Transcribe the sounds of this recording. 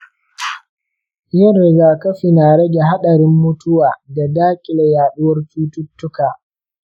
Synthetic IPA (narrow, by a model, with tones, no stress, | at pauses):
jɐ˦rːɪ˨ɡaː˨kɐ˦ɸi˨naː˨ɾɐ˦ɡʲe˨ɦa˦ɗɐ˨ɾɪ˦mːʊ˦tʊ˦waː˨da˨daː˦kʲʼɪ˨la˨jaː˨ɗʊ˦wɐ˦rt͡ʃuː˦tʊ˦tːʊ˦kaː˨